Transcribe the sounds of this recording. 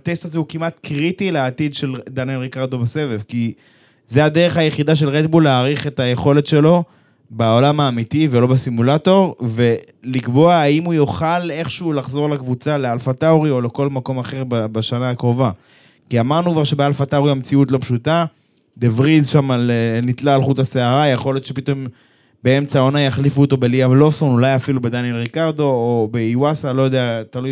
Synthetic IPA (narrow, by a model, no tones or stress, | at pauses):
at̪est̪azeukimatkʁitileatid̪ʃe̞ld̪anjenʁikaʁd̪o̞bese̞vefki | zead̪eʁe̞χajeχidaʃ̬e̞lʁetbulːeaːʁiχetaje̞χo̞le̞tʃe̞lo̞ | beo̞lamaːmitivelo̞besimulato̞ʁve̞ | likbo̞aaimujoχale̞χʃeulaχzoʁlakvut͡sale̞alfataoʁio̞le̞ko̞lmako̞maχeʁbbaʃanaakʁo̞va | kiamaʁnukvaʁʃe̞bealfat̪auʁihamt͡siutlo̞pʃuta | d̪evʁizʃamalenit̪laːlχut̪aseaʁajeχo̞ljo̞t̪ʃepit̪o̞m | be̞e̞mt͡sao̞najaχlifuːt̪o̞be̞liavlo̞fso̞nulajafilubed̪anjelʁikaʁd̪o̞ːbeiwasalo̞jod̪eat̪aluj